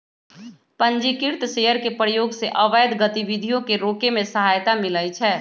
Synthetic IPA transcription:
pə̃nd͡ʒikɪɾt̪ʃeɦəɾkepɾəjoːɡseʔəʋəjd̪ɡət̪iʋid̪ʱijõkeɾoːkemẽsəɦajt̪amɪləjt͡ʃʰɛː

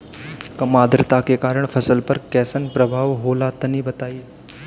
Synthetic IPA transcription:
kɐmaːd̪ɾt̪akekaːɾəɽ̃pʰɐsəlpəɾkɛːsənpɾəbʱaːʋɦoːlat̪ɐnibɐt̪aːi

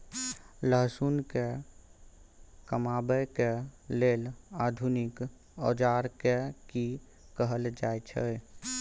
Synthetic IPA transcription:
ləɦsunke | kəmaːbəjkelelad̪ʱunɪk | ɔːd͡ʒaɾkeki | kəɦəld͡ʒaːjt͡ʃʰə̰

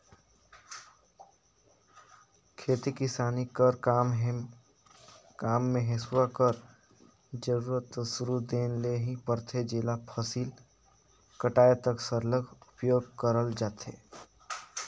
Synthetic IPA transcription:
kʰeːt̪ikɪsaːnikəɾkaːmɦ | kaːmːẽɦeswakəɾ | d͡ʒəɾuːɾət̪suɾud̪eːnleɦĩpəɾt̪ʰed͡ʒelapʰəsiːl | kəʈaːjet̪əksəɾləɡʱʊpjoːɡkəɾəld͡ʒaːt̪ʰɦḛː

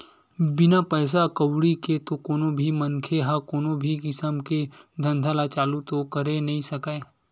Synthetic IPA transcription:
bɪnapɛːs̬akəwɽiket̪okoːnobʱimɐnkʰeɦakoːnobʱikɪsəmked̪ʱɐ̃nd̪ʱalat͡ʃaːlut̪okɐɾenɐɦĩsɐkae

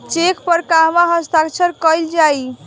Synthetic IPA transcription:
t͡ʃekpəɾkaɦmaɦəst̪akt͡ʃʰəɾkəjld͡ʒaj

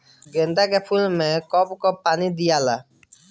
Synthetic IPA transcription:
ɡend̪akɛpʰulmɛkɔbkɔpanid̪ijala

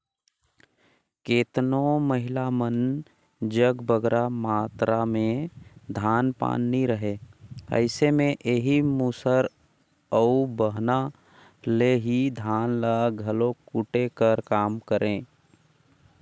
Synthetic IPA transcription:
keːt̪noməɦɪlamən | d͡ʒəɡbəɡɾamaːt̪ɾamẽd̪ʱaːnpa̰ːnːiɾəɦeːə̰ɪsemẽʔeːɦimuːsəɾ | əubəɦna | leɦid̪ʱaːnlaɡʱəlokuʈekəɾkaːmkəɾʔẽː

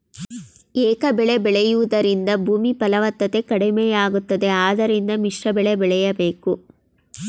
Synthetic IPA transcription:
eːkɐbɛɭebɛɭɛjuʋud̪ɐɾind̪ɐbʱuːmipɐlɐʋɐt̪ːɐt̪e̞kɐɽimeːjaːɡut̪ːɐd̪e̞aːd̪ɐɾind̪ɐmiʂɾɐbɛɭebɛɭɛjɐbeːku

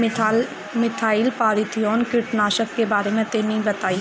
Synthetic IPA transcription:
mɪt̪ʰaːiːlpaːɾit̪ʰiɔːnkɪɾʈnaːʃəkkeːbaːɾeːmẽːt̪eːmĩːbət̪aːiː

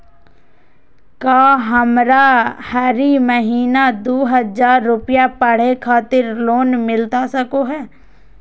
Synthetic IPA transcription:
kaːɦɐmɾahɛɾiməɦiːnad̪oːɦəzaːɾːʊpɪjapəɽ̤ekʰaːt̪ɪɾloːnmɪlt̪asɐkoɦɛː

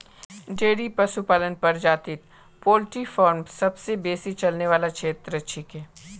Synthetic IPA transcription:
ɖeːɽipɐsupaːlənpɐɾd͡ʒaːt̪ɪt̪̚ | poːlʈifɔːɾmsɐbsebeːsit͡ʃɐlneʋaːlakʃʰeːt̪ɾɐt͡ʃʰikɦeː

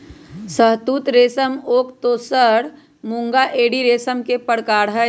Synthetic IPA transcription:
səɦt̪uːt̪ɾeːsəmoːkt̪oːsəɽ | mũŋɡaʔeːɽiɾeːsəmkepəɽkaːɽɦə

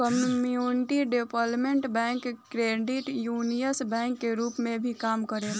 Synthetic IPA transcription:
kəmmjunɪʈiɖepəlmẽɳʈbɛ̃ŋkkɾeɖiʈjunijəsbɛ̃ːŋkːeɾuːpmẽbʱikaːmkəɾe

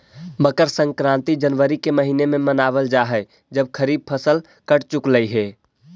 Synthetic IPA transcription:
bəkəɾsə̃ŋkɾãːnt̪id͡ʒənʋəɾikeməɦiːnemẽmənaːʋəld͡ʒaɦɛ | d͡ʒəb̚kʰəɾiːb̚pʰəsəl | kəʈt͡ʃʊkləiɦɛː

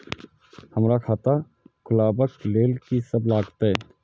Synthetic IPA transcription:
həmɾaːkʰaːt̪aː | kʰʊlaːbəkleːlkisəblaːɡt̪aɛː

